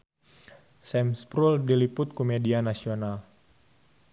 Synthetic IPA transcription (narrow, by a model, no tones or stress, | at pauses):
sɛmspɾuldilipʊt̪̚komedianasional